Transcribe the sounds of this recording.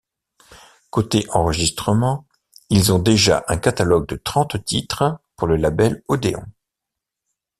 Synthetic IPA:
kot̪eʔɑ̃ʁəʒist̪χəmɑ̃ | ilzɔ̃d̪eʒa̰ʔɛ̃kat̪alɔɡ̚d̪ət̪χɑ̃t̪t̪it̪χpuʁləlabɛlod̪eɔ̰̃

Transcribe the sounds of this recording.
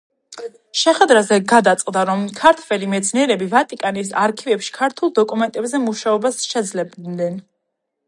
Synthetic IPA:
ʃɛχwɛd̪ɾazɛɡad̪at̪sʼqʼd̪aɾɔmkʰaɾt̪ʰvɛlimɛt̪sʰniɛɾɛbivat̪ʼikʼanisaɾkʰivɛpʃi̥kʰaɾt̪ʰulˠd̪ɔkʼumɛnt̪ʼɛbzɛmuʃaɔbasʃɛd̪zlɛbnɛn

